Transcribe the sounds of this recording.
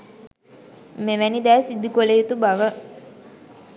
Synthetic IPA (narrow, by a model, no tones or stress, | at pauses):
meʋænid̪æːsid̪ukolejut̪ubaʋə